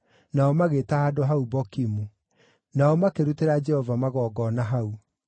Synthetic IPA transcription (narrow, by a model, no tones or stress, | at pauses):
naɔmaɣetahaːdoɦaubɔkimu | naɔmakeɾuteɾad͡ʒɛhɔvamaɣɔɡɔnaɦau